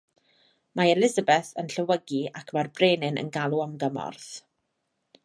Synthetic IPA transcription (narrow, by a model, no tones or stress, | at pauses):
maɛlɪzəbɛθənɬəwəɡiakʰmarbreːnɪnʔə̰nɡalˠuamɡəmɔ̰rθ